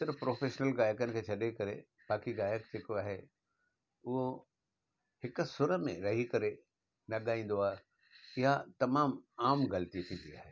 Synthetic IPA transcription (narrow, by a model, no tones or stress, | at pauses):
sɪɾfpɾoːfeːʃnəlɣaːjəkənɪ̆kʰeːt͡ɕʰɐɗekɐɾḛ | baːkiɣaːjəkd͡ʑeːkoaːɦe | ʊɦo | hɪkʊ̆sʊɾəmḛ̃ɾɐɦikɐɾe | nɐɠaːĩːn̆d̪oaːɦe | ɪɦat̪ɐmaːmaːmɣɐlət̪it̪ʰĩːn̆d̪iaːɦeː